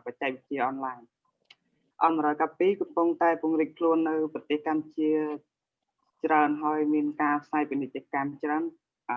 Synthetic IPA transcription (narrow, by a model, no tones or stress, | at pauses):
pac̚t͡ɕaɛk̚ʋit͡ɕiəʔɑnlaɛɲ | ʔɑnmɾɔjkapːiːkɑmpuŋt̪aɛpŭəŋriːk̚kʰluənːɨwprɑt̪eːhkamt͡ɕiə | t͡ɕraənɦaəjmiənkaːpʰsaːjpinɨt̪̚t͡ɕĭəkamt͡ɕraən